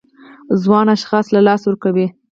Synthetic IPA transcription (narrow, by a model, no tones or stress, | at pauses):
zwɑnaʃxɑslalɑswəɾkawi